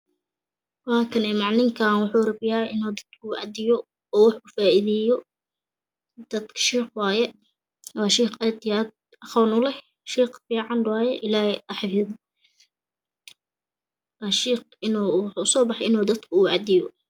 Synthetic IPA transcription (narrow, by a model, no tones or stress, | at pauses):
wɑːkʰɐnɛːmɑʕnɪŋkʰaːnwʊħuːrɐbɪjaːʔɪnuːd̪ɐd̪̥̚kʰʊːʔɑd̪ɪjɔ | ɔːwɑħʊfaːʔiðɛjɔ | d̪̥ɐd̪kʰɐ̥ʃiːχwɑːjɛ | wɑːʃiːχɛd̪jaːd̪̚ | ɑχɔwnʊlɛh | ʃiːχfiːʕɑnwɑːjɛʔɪlaːhʔɑħfɪð | wɑːʃiːq | ɪnuːwħʊsɔːbɑħɑʔɪnuːd̪ɐd̪kʰʊuːɑd̪ɪjɔ